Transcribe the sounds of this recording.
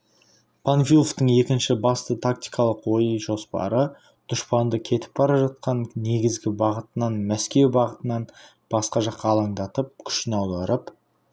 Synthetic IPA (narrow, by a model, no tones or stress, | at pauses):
pʰanfʲilˠoft̪əɴe̞kʲɪnʃɪbɑst̪ət̪ʰak̚t̪ijkʰɑlˠəqwo̞jəjʒo̞spɑ̰ɾə | d̪̥ʊʃpɑnd̪əkʲʰe̞t̪ɪ̥p̚bɑɾɑʒɑt̪̚qɑnne̞ɡʲɪzɡʲɪbɑʁət̪ənɑnmæskʲe̞wbɑʁət̪ənɑn | b̥ɑsqɑʒɑqːɑːlˠɑɴd̪ɑt̪əp̚kʲʰʏ̥ʃɪnɑwd̪ɑɾəp